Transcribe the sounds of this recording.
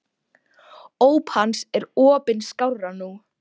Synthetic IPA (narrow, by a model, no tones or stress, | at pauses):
oːwphansɛɾɔːpɪnskawranu